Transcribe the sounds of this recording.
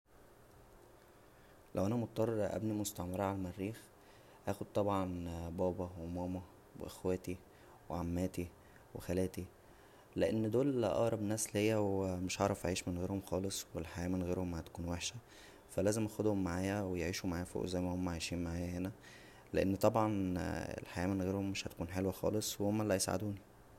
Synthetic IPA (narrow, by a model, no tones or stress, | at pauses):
lʔæwʔænæmot̪̚t̪ːˤɑrˤːɑɾˤʔæ̰bnimost̪ɑʕmɑɾˤɑʕalmærːiːx | ʔæːxod̪̚t̪ˤɑbʕɑnbɑːbɑwemæːmæ | wḛʔexwæːt̪i | weʕamːæːt̪i | wexælæːt̪i | leʔenːd̪oːlʔɑ̰ʔɾˤɑbnæːslejːæwmeʃʕɑɾˤɑfʔaʕiːʃmenɣeːɾhomxɑːlesˤwelħajæːmenɣeːɾhomhæt̪æ̥kuːnweħʃæ | fælæːzemʔæxod̪homːaʕaːjæwejeʕiːʃumaʕaːjæfo̰ːʔzæjmæhomːʕajʃiːnmaʕaːjæhenæ | leʔenːt̪ˤɑbʕɑnḛlħajæːmenɣeːɾhomːeʃhæt̪æ̥kuːnħelwæxɑ̰ːlesˤwehomːælːæjesʕa̰d̪uːni